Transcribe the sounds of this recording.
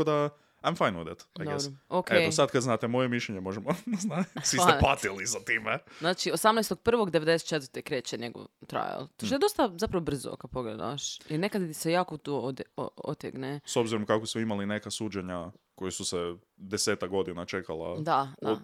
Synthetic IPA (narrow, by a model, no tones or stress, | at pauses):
od̪a | ajmfajnud̪et̪da̰jd̪ookʰeosad̪kad̪znaːt̪emo̞jemiʃʎʲeɲemo̞ʒemoznasʋiepat̪iliszat̪iːmeznaːt͡ʃiosamnajst̪o̥pr̩ʋo̞ɡd̪eʋed̪ese̥t̪t͡ʃet̪ʋəɾt̪ekɾeːt͡ɕeɲeɡo̰ʋt̪ɾa̰ja̰lt̪oʃt̪ed̪ost̪azapɾaʋobr̩zo̰kad̪̚po̞ɡled̪a̰ʃjiɾnekad̪isejaːkot̪uod̪oo̰t̪jḛɡneso̞bziɾomkakosmoimaline̞kasuːd͡ʑeɲa | ko̞jesuse | d̪eseːt̪akɡo̞d̪inat͡ʃekalˠa̰d̪a